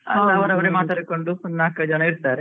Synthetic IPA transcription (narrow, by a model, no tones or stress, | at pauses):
ɦɐd̪ɐʋɐɾɐʋɐɾemaːt̪aːɽikoɳɖunaːkɐd͡ʒɐnɐiɾt̪aːɾe